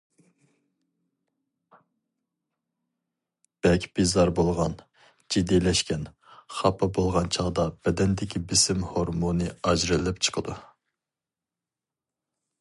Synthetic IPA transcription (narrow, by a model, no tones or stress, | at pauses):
b̥ɛlkʲb̥izɑɾbolˠʁɑn | d͡ʒid̪ːilɛʃkʲʰɛn | χɑpʰɑbolˠʁɑnt͡ʃʰɑʁd̪ɑb̥ɛd̪ɛnd̪ɪkʲʰibɪsɪmhoɾmunɨɑd͡ʒɾɨlɪp̚t͡ʃʰə̥qʰəd̪u